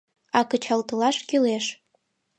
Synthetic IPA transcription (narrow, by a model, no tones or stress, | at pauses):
ɑkə̆t͡ɕɑlt̪ɤ̆lɑʃkyleʃ